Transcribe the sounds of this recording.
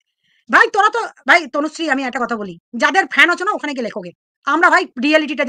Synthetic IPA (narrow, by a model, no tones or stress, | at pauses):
bʱajt̪oɾat̪obʱajt̪onosɾiamiɛk̚ʈakɔt̪ʰabolid͡ʑad̪eɾfʰɛnɔt͡ɕʰonaokʰanek̬elekʰoɡe | amɾabʱajɾialiʈiʈ̬ad͡ʑ